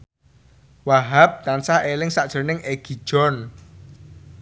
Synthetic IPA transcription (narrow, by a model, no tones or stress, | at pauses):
waɦap̚t̪ansahelɪŋsaʔd̥ʒ̥o̤nɪŋʔeɡ̥i̤̥ʒ̥ɔn